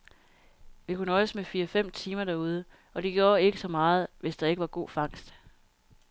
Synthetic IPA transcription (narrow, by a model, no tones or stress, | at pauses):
ʋikʰunəɒ̽səmefiːɐfem̰t͡sʰiːmɐdæɐuð̞ˠə | ʔɒ̽d̥e̝ɡ̥jo̝ɐe̝ɡ̥əsɒ̽mɑ̈ːð̞̩ˠʋe̝sd̥ɑ̈e̝ɡ̥əʋɑ̈ɡ̥o̝̰ːfɑ̈ŋ̰sd̥